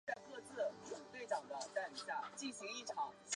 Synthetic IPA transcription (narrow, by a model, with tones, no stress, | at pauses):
a˥˧ɪkɤ˥˧t͡sɹ̩˥˩u˨˩t̪we˥˩ɪt͡sɑ˨˩ŋd̪ə˧˦t͡sa˥˩ɪ˥˩a˥˩t͡ɕi˥˩nɕi˧˥ŋi˥˩ʈ͡ʂʰɑ˧˥ŋ